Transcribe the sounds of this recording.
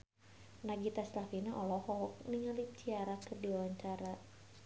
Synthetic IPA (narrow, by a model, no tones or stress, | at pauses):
naɡit̪aslafinaʔɔlɔhɔk̚niŋalip̚t͡ʃiaɾakərdiwawaɲt͡ʃaɾa